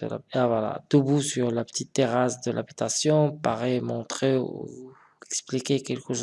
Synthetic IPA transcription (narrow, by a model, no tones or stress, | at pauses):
la̰avwala̰d̪̥əbusyʁlapə̥t̪ʰit̪ːeʁasd̪əlʔa̰bit̪asjɔ̃paʁɛmɔ̃t̪χeṵ | ɛksplikʲekɛlkəʃ